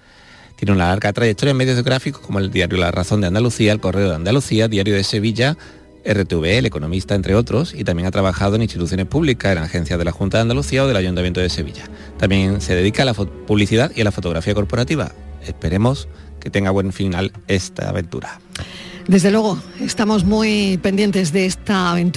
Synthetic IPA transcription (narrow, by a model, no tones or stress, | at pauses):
t̪je̞neunalaɾɣat̪ɾajek̚t̪o̞ɾjaeme̞ðjoðoɣɾafiko̥kʰo̞moe̞ld̪iaɾjolaraθo̞nd̪eand̪aluθialko̞re̞oðeand̪aluθiaðiaɾjoð̞e̞se̞βiʎa | e̞re̞t̪euβeele̞ko̞nõ̞mist̪aent̪ɾe̞o̞t̪ɾo̞sit̪amje̞ŋat̪ɾaβaxaðo̞ŋinst̪it̪uθjo̞nepuβlikaenaxẽ̞n̟θjaðe̞laxunt̪aðand̪aluθiao̞ð̞e̞laʝunt̪amje̞nt̪oðe̞se̞βḭʎa | t̪amje̞ŋse̞ðe̞ðikalafpuβliθiðaðialafo̞t̪o̞ɣ̞ɾafiako̞ɾpo̞ɾat̪iβa̰e̞spe̞ɾe̞mo̞s | ke̞t̪e̞ŋɡaβwẽ̞ɱfinale̞st̪a̰a̰βẽ̞nt̪ṵɾa | d̪e̞zðe̞lwe̞ɣo̞est̪amo̞zmujpe̞nd̪je̞nt̪e̞zðeest̪aːβẽnt̪